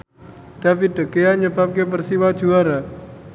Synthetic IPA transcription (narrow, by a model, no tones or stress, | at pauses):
d̥afit̪̚d̪əkeaɲəbap̚kep̬ərsiwḁd͡ʒuaɾa